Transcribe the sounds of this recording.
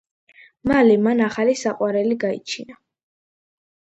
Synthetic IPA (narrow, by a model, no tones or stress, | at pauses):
malɛmanaχalisaqʼwaɾɛliɡaḭt͡ʃʰina